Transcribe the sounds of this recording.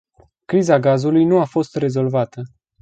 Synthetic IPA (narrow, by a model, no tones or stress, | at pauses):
kɾizaɡazulujnuafo̞st̪re̞zo̞lvat̪ə